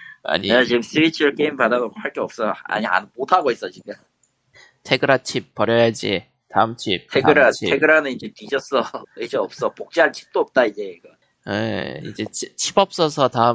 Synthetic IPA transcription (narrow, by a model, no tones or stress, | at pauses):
a̰ɲiat͡ɕiɡɯmsɯit͡ɕʰɯɾɯɭk͈eimipadaɡoɡoɸaɭk͈eʌp̚s͈ʌa̰ɲia̰nmotʰaɡois͈ʌt͡ɕiɡɯ | tʰe̞ɡɯɾat͡ɕʰip̚p͈ʌɾjʌjad͡ʑi | taɯmt͡ɕʰip̚tʰeɯɾaitʰeɡɯɾanɯnid͡ʑetid͡ʑʌs͈ʌid͡ʑeʌp̚s͈ʌpok̚t͡ɕ͈eaɭt͡ɕʰi̥p̚t͈oʌp̚t͈aid͡ʑeiɡʌ | jḛḭd͡ʑe̞t͡ɕʰit͡ɕʰibʌp̚s͈ʌs̬ʰʌtaɯ